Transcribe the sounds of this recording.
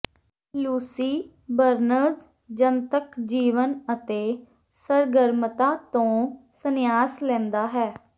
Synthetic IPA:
luːsiː | bəɾnəɾz | d͡ʒənt̪əkd͡ʒiːʋənət̪eː | səɾɡəɾmət̪aːt̪õːsənɪjaːslɛ̃ːnd̪aːɦɛː

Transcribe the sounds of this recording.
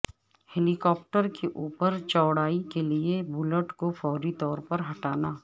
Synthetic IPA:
hɛlɪkɔːp̚ʈəɾkeʔuːpəɾt͡ʃɔːɽaːikeliebʊləʈkofɔːɾit̪ɔːɾpɐɾɦɐʈaːnaː

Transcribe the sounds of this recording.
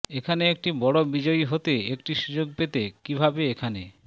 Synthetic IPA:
ekʰaneek̚ʈibɔɽobid͡ʑɔjɦot̪eek̚ʈiʃud͡ʑoɡ̚pet̪ekibʱabeekʰane

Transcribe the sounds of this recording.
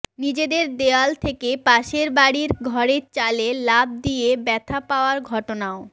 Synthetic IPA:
nid͡ʑed̪eɾd̪ealt̪ʰekepaʃeɾbaɽiɾɡʱɔɾet͡ɕalelab̚d̪ijebɛt̪ʰapaoaɾɡʱɔʈonao

